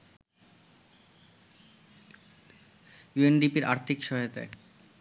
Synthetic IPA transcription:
juenɖipiɾʔa̰ɾt̪ʰikʃɔɦot̪ḛ

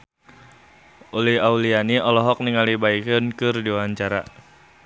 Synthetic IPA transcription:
ʔulihaulianiɔlɔɦɔk̚niŋalibaikənkɨrdiwaɲt͡ʃaɾa̰

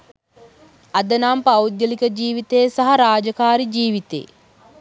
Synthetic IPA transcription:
ɐd̪ənaːmpɐwd̪jəlikəd͡ʒiːʋit̪ejsaɦɐɾaːd͡ʒɐkaːɾid͡ʒiːʋit̪ḛː

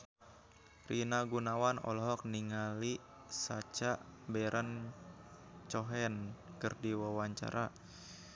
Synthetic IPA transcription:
rinaɡunawanɔ̰lɔɦɔk̚niŋali | sat͡ʃaʔbɛɾʔan | t͡ʃɔɦɛnkɨrdiwawaɲt͡ʃa̰ɾʔa

